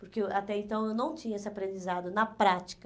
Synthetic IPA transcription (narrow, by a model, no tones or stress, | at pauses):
poɾkeat̪ɛẽnt̪ɐ̃w̃ewnɐ̃w̃t͡ʃĩɲɐesɪapɾẽnd͡ʒizad̪ʊnɐpɾat͡ʃi̥kɐ